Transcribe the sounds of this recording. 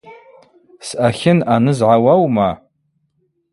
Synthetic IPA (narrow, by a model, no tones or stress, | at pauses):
sʔaxʲɪnanɨzʕawɐwma